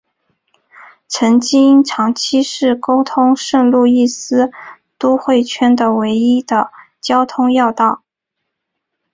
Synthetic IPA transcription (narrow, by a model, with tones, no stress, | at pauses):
ʈ͡ʂʰə˧˥ŋt͡ɕi˥i˥nʈ͡ʂʰɑ˧˥ŋt͡ɕʰi˥ʂɻ̩˥˩ko˥ʊt̪ʰʊ˥ŋʂə˥˧ŋlu˥˧i˥˩sɹ̩˥ | t̪u˥xwe˥˩ɪt͡ɕʰɥɛ˥nd̪ə˨we˧˥ɪi˥d̪ə˨ | t͡ɕjɑ˥ʊt̪ʰʊ˥ŋjɑ˥˧ʊt̪ɑ˥˩ʊ